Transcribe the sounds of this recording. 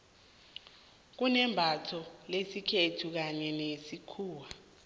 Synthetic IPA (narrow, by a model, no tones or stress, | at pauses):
k̬unɛmbʱatʰɔlesikʰetʰuk̬aɲɛnesikʰuːwa